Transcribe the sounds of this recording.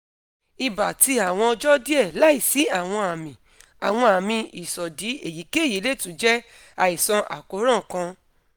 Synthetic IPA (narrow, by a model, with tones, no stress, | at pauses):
i˧ba˨ti˧a˨w̃ɔ̃˧ɔ˧d͡ʒɔ˦di˦ɛ˦˨la˨˦i˦˨si˨˦a˦˨w̃ɔ̃˧a˨mĩ˨ | a˨w̃ɔ̃˧a˨mĩ˧i˨sɔ˨di˨˦e˦˨ji˨˦ke˦˨ji˨˦le˦˨tũ˨˦d͡ʒɛ˦ | a˧˨i˨sã˧ʔa̰˨ko˨˦ɾã˦˨kã˧